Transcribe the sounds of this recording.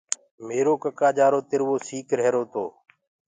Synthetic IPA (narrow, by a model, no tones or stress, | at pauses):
meːɾoːkəkaːd͡ʒaːɾoːt̪ɪɾʋoːsiːkɾɛːɾoːt̪ʰo̰ː